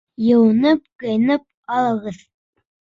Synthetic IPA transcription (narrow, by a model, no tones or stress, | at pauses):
jɤ̆wɤnɤp̚qɤ̆jnɤp̚ | ɑlˠɤ̆ʁɤð